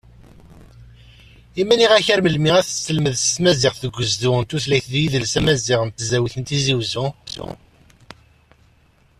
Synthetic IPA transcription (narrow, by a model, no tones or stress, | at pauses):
imæniʁæçæɾməlmiʁæθsːəlməðsə̥smæziʁθəɡʷːəzðʊnt̪uθlæjθd̪jiðəlsæmæziʁənt̪ːzæwiθənt̪iziwzʊ